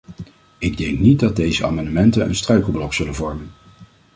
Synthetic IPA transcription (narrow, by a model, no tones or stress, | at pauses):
ɪɡ̚dɛŋknit̚dɑd̚dejzəa̰ːmɑndəmɛntənə̰nstrœɥkəl̩blɔksɵlənvɔɹmən